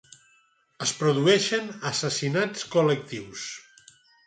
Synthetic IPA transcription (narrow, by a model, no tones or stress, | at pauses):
əspɾuðuɛʃənəsəsinat͡skulək̚t̪iws